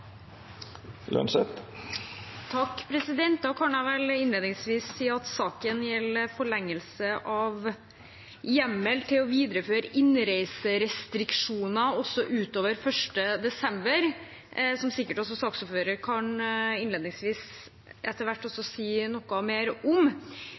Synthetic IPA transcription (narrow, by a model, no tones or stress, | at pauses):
lɑ̰nʂɛt̪ | t̪ʰɑkːpʰɾɛsɪd̪ɛnt̪̚d̪ɑkʰɑnæʋɛlɪnleːd̪nɪŋsʋiːssiːɑt̪sɑːkənjɛlːəɾfɔɭɛŋːəlsəʔɑʋ | jɛmːəlt̪ʰɪlɔʋiːd̪ɾəføːɾəʔɪnɾæɪsəɾɛst̪ɾɪkʂuːnɑɔsːɔʔʉːt̪oːʋəɾfœʂʈəd̪ɛsɛmbəɾ | sɔmsɪkːəʈɔs̬ɔsɑːksɔfføːɾəɾkʰɑnɪnleːd̪nɪŋsʋiːs | ʔɛt̪ːəɾʋæʈːɔsːɔsiːnɔkːɑmeːɾɔm